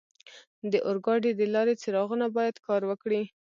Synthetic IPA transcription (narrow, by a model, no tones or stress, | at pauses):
d̪əʔʊɾɡɑɖed̪əlɑɾet͡siɾɑɣunabɑjad̪kɑɾwəkɽi